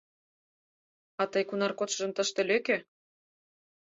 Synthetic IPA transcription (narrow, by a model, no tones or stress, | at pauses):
ɑt̪əjkunɑrkot̪ʃə̆ʒɤ̆mt̪ə̆ʃt̪ĕløke